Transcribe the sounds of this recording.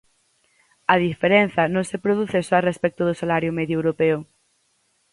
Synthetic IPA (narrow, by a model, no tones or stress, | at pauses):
ɐð̞ifeɾen̟θɐnõŋsepɾoðuθesoarespɛk̚t̪ʊð̞ʊsalaɾjʊmeðjoewɾopeʊ